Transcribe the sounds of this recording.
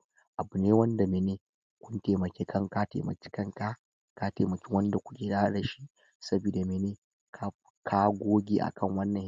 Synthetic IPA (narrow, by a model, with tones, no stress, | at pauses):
ʔa˨bu˨neː˦wɐ˦nda˨meː˨neː˦ | kʷʊ˦nteː˨mɐ˨kʲeː˦kʰɐ˦ŋka˦tḛː˨mɐ̰˨kʲi̥˦kɐ˦ŋka˦ | kaː˦teː˨mɐ˨kʲi˦wɐ˦nda˨kʷʊ̥˦kʲeː˨daː˦ɽɐ˨ʃi˦ | sɐ˦biː˨da˨meː˨neː˦ | kʰ | kʰaː˦ɡʷoː˦ɡʲḛː˦ʔa̰˨kʰɐ˦˨ŋwɐ˦nːɐ˨